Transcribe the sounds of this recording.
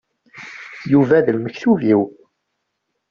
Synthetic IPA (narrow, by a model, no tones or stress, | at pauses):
juvæðəlməçθuviw